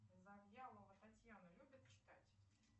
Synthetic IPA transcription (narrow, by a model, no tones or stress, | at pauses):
zɐvjalˠəvət̪atʲjanəlʲubʲɪt̪̚t͡ɕɪ̥t̪atʲ